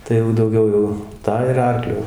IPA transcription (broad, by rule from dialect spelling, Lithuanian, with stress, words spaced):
tɐɪ jɛʊ dɐʊˈɡʲɛʊ jɛʊ ˈtɑː ɪr ˈɐrklʲʊ